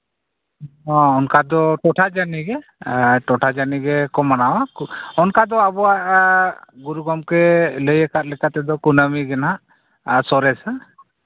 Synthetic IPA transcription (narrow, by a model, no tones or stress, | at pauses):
ɔ̃ɔnkad̪ɔʈɔʈʰad͡ʒaniɡɛʈɔʈʰad͡ʒaniɡɛkɔmanawakɔnkad̪ɔabɔaʔ | ɡuɾuɡɔmkɛləjɛkat̪̚lɛkat̪ɛd̪ɔkunəmiɡɛnɦaʔ | sɔɾɛsa